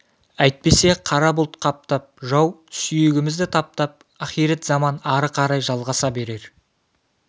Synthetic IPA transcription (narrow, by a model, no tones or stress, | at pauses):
æjt̪̚pe̞se̞qʰɑɾɑbʊlˠt̪qʰɑp̚t̪ɑp̚ʒɑwsʏjɪɡʲɪmɪzd̪ɪt̪ʰɑp̚t̪ɑp̚ | ɑχijɾet̪zɑmɑnɑɾəqʰɑɾɑjʒɑlˠʁɑsɑbe̞ɾe̞ɾ